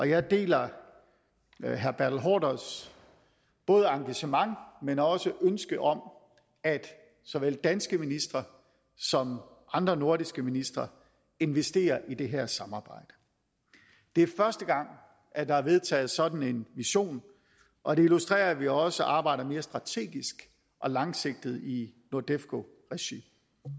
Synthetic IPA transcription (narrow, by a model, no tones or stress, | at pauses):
ʔɒ̽jɑ̈ɪd̥e̝̰ːlɐ | ɦæɐb̥æɐd̥l̩ɦɒ̰ːdɐs | b̥ɔ̽ːð̞ˠəɑ̈ŋɡ̥æɕəmɑ̈ŋmenɒ̽səʔønsɡ̥əʔɒ̽m | æd̥ | sɒ̽ʋel̰d̥ænsɡ̥əminisd̥ʁɐ | sɒ̽m | ʔɑ̈nd̥ʁɐno̝ɐɾisɡ̥əminisd̥ʁɐ | e̝nʋesd̥e̝̰ːɐʔid̥e̝ɦæɐsɑ̈mɑ̈ːb̥ɑ̈ɪ̰d̥ə̥ | d̥e̝æɐfɶɐsd̥əɡ̥ɑ̈ŋ̰ | ʔæd̥ɑ̈æɐʋe̝ð̞ˠt͡sʰɛ̰ːð̩ˠsɒ̽d̥n̩e̝nʋiɕo̝̰ːn | ʔɒ̽d̥e̝ilusd̥ʁɛ̰ːɐʋiɒ̽səʔɑ̈ːb̥ɑ̈ɪ̰ɾ̥ɐme̝ːɐsd̥ʁɑ̈t͡sʰe̝̰ːɡ̥isɡ̥ | ʔɒ̽lɑ̈ŋse̝ɡ̥̚d̥ð̩ˠino̝ɐd̥efɡ̥o̝ | ʁɛɕḭm